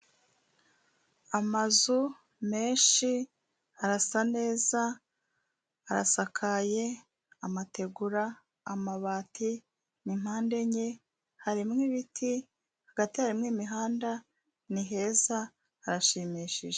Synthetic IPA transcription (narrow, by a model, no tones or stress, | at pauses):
amazu | me̞ːnʃi | aɾasane̞ːza | ɾa̰sakʰaje̞ | amate̞ɡuɾaː | maβaːtʰi | nim̥haːnde̞ɲe | haɾimŋiβitʰi | haɡatihaɾimŋiːmiɦaːnda | niɦe̞zaː | ɾaʃimiʃiʒe